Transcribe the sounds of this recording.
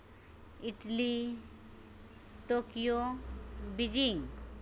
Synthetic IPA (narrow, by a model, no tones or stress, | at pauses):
iʈli | ʈokijo | bid͡ʒiŋ